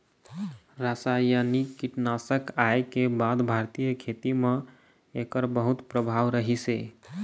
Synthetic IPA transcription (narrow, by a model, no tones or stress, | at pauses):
ɾasajanikːiʈnasəkajkebad̪bʱaɾt̪ijəkʰet̪ime | ekəɾbəɦut̪pɾəbʱaʋɾəɦise